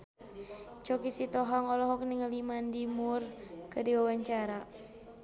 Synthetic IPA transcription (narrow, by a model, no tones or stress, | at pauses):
t͡ʃɔkisit̪ɔɦaŋɔlɔɦɔk̚niŋəlimandimurkədiwawaɲt͡ʃaɾa